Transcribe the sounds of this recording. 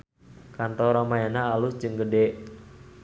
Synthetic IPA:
kant̪ɔɾamajanaːlʊsd͡ʒɨŋɡədɛʔ

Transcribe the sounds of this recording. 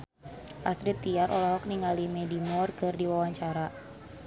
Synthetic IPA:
ʔasɾit̪ːiaɾʔɔlɔɦɔk̚niŋalimɛdimɔrkɨrdiwawaɲt͡ʃaɾa

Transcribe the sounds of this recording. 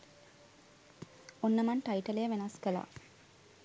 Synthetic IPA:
onːəmɐɳʈaiʈəlejəʋenɐskəla̰ː

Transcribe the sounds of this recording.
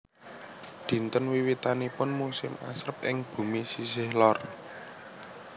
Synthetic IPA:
d̪̥i̤nt̪ənwiwit̪anipʊnmusɪma̰sɾəp̚ʔɪŋb̥ṳmisisɪhlɔr

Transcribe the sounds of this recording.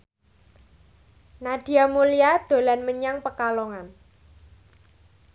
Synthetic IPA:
nad̥i̤amulijad̪̥o̤lanməɲaŋpəkalɔŋan

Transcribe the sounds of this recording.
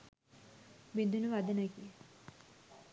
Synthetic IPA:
bind̪unuʋad̪ənaki

